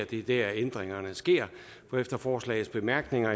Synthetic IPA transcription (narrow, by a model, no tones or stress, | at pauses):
d̥ed̥ææend̥ʁeŋɐnəsɡ̥e̝̰ɐ̰ | fɒ̽efd̥ɐfɒːslɛ̰ɪð̩ˠsb̥e̝mæɐɡ̥ne̝ŋɐ